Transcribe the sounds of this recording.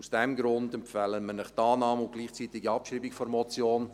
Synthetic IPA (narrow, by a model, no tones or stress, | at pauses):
usd̥ɛmɡɾʊndɛmpfɛləmənɪχt̪ɑːnɑːməʊnt̚ɡ̥liːχt͡siːt̪ɪɡiɑpʃriːbɪkfɔɾmɔt͡sjoːn